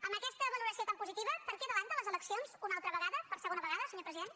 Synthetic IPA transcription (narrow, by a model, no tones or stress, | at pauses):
əmbəkɛst̪əβəluɾəsiot̪ampuzit̪iβəpəɾkɛðəβaɲd̪ələzələksionzunalˠt̪ɾəβəɣaðəpəɾsəɣonəβəɣaðəsəɲopɾəziðen